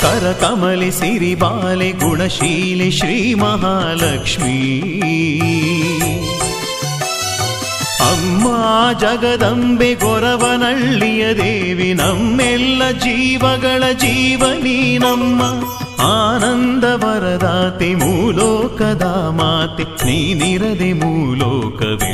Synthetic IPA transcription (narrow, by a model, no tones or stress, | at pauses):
kɐɾɐkɐmɐlisiɾibaːleɡuɳɐʃiːleʃɾiːmɐɦaːlɐkʂmi | ɐmːad͡ʒɐɡɐd̪ɐmbeɡɔɾɐʋɐnɐɭːijɐd̪eːʋinɐmːɛlːɐd͡ʒiːʋɐɡɐɭɐd͡ʒiːʋɐniːnɐmːɐ | aːnɐnd̪ɐbɐɾɐd̪aːt̪emuːloːkɐd̪aːmaːt̪iniːniɾɐd̪emuːloːkɐ̰ʋḛ